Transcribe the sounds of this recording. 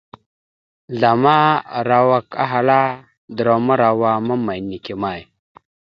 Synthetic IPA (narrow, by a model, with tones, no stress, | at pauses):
ɮa˨ma˦ɾa˨wa˦ka̰˦ɦa˨la˦ | d̪ɾo˨ma˦ɾa˨wa˦ma˦ma˨jni˨ki˨ma˦˨j